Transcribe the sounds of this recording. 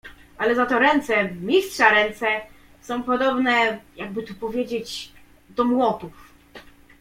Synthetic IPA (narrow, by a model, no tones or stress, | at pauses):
ʔalɛzat̪ɔɾɛnt̪sɛmʲistʂaɾɛnt̪sɛ | sɔ̃w̃pɔd̪ɔbnɛjaɡ̚bɘt̪upɔvʲjed͡ʑed͡ʑ | d̪ɔmwɔt̪uf